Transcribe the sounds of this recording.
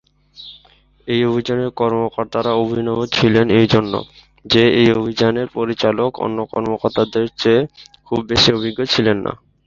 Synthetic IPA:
ejobʱid͡ʑaneɾkɔɾmokɔɾt̪aɾaobʱinɔbot͡ɕʰilenejd͡ʑonːo̰ | d͡ʑeejobʱid͡ʑaneɾpoɾit͡ɕaloko̰nːokɔ̰ɾmokoɾt̪ad̪eɾt͡ɕekʰubbeʃiobʱiɡːot͡ɕʰilenːa̰

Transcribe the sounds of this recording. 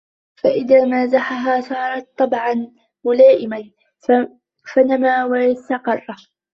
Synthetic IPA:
faʔɪðaːmazaħaɦaːsɑːɾˤɑt̪̚ˤːɑbʕɑn | mʊlaːʔɪman | fanamaːwast̪ɑqɑrˤːɑ

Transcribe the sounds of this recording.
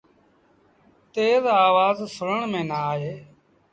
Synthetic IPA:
t̪eːzaːʋaːzsʊɽəɳmẽːnaːɦeː

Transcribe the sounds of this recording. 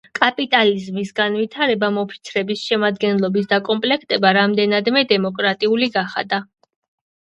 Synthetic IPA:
kʼapʼit̪ʼalizmisɡanvit̪ʰaɾɛbamɔpʰi̥t̪sʰɾɛbisʃɛmad̪ɡɛnlˠɔbisd̪akʼɔmpʼlɛkʰt̪ʼɛbaɾamd̪ɛnad̪mɛd̪ɛmɔkʼɾat̪ʼiuliɡaχa̰d̪a

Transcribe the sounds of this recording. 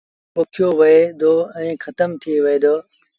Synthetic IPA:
pʊkʰijoʋɐed̪oːɛ̃ːxɐt̪əmt̪ʰiʋɐeːd̪oː

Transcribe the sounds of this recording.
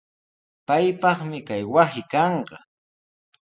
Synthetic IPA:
pajpɑχmɪkajwasɪkɑɴɢɑ

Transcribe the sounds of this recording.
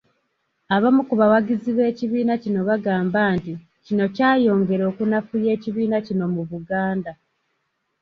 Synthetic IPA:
aβamukuβawaɡiziβe̞ːciβiːnacino̞βaɡaːmbaːnti | cino̞caːjo̞ːŋɡe̞ɾo̞ːkunafuje̞ːciβiːnacino̞muβuɡaːnda

